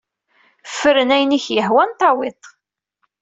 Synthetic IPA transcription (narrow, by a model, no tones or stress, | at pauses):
fəɾənæjniçjəhwænt̪ˤɑwɪt̪ˤ